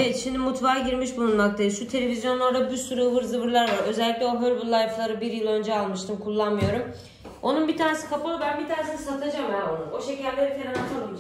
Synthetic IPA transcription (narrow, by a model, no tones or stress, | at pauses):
eɛt̪ʃimd̪imut̪vaːɟiɾmiʃbulˠunmak̚t̪ʰajiʃut̪ʰe̞lʲe̞vʲizjo̞no̞ɾd̪abusuɾuvɯɾzɯbɯɾlˠaɾvaɾø̞zɛlʲːiclʲɛoɦøɾbullːˠajflˠaɾɯbiɾjɯlˠø̞nd͡ʒɛalˠmɯʃt̪ʰɯmkʰulˠːanmɯjo̞ɾum | o̞nunbit̪ʰaːne̞si̥kʰapolbænbit̪ʰaːnesinisat̪ʰad͡ʒamjaonuno̞ʃecʰæɾʲlʲeɾikʰeɾnat͡ʃ̪ʰol